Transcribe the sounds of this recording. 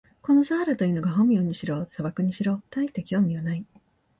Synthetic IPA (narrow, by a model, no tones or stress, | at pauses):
ko̞nosaːɾɯt̪o̞jɯ̟ːnoɡaɦõmioɲ̟iɕiɾo̞ːsaβakɯ̟ɲ̟iɕiɾo̞ːt̪ait̪ekʲiomʲionai